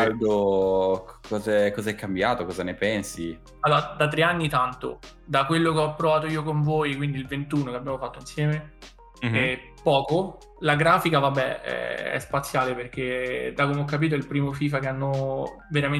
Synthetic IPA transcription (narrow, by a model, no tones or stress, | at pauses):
ad̪o | kɔːzɛkːɔzaɛkːambjaːt̪okɔzanepɛnsi | alːoːɾad̪at̪̬ːɾeanːit̪ant̪o̰ | d̪akwelːokeɔpːɾovaːt̪̬oiːokoɱvoːjkwind̪ilvent̪uːnokeabjaːmofat̪ːoinsjɛːme | ɛ | pɔːko | laɡɾaːfikavabːɛɛ̰ɛ̰spat̪sːjaːleperk̟ed̪akomeɔkːap̬iːt̪̬oɛlpɾiːmofiːfakeanːoveɾame